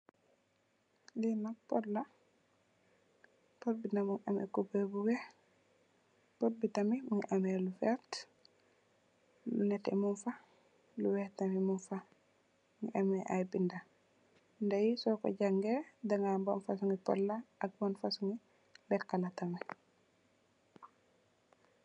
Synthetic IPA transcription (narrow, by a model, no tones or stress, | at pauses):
linapɔtla | pɔtbindamuŋʔamɛ̰kubɛbuwɛ | pɔt̚bitamimuŋʔamɛlufɛɾt | lunɛtɛ̰munfa | luwɛtːamimunfa | muŋʔamɛʔajbinda | ndajisɔkɔ̰ɟaŋɡɛdaŋambɔnfasuŋɡipɔ̰lːaaɡ̚banfasuŋi | lɛkːalatami